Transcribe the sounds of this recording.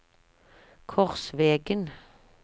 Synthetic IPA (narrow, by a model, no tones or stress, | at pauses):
kʰɔʁsʋeːɡən